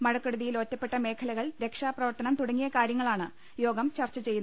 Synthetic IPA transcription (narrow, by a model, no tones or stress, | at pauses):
mɐɻɐkːɐɽuðijilo̞ːtːɐpːe̞ʈːɐme̞ːkʰɐlɐɣɐɭɾe̞kʂaːprɐʋɐrt̪ɐnɐmt̪uɽɐŋːijɐkaːɾjɐŋːɐɭaːɳɨ | jo̞ːɡɐmt͡ɕɐrt͡ɕːɐt͡ɕe̞junː